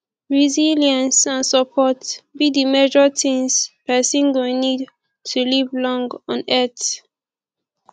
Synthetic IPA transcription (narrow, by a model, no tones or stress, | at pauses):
ɹiziljãnsãnsəpʰɔtbidimed͡ʒɔtʰĩŋspɛsĩnɡɔnid | tʰulivlɔ̃ŋɡɔ̃nɛt